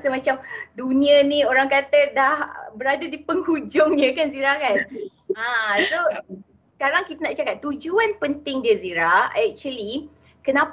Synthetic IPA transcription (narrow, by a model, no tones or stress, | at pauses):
səmãt͡ʃamdunĩənĩoɾaŋkat̪ədahbəɾadadipəŋhud͡ʒɔŋɲə̃kanziɾakan | ãso | skaɾaŋkit̪anaʔt͡ʃakat̪ːud͡ʒuanpənt̪ɪŋdiəziɾaɛk̚t͡ʃəli | kənãp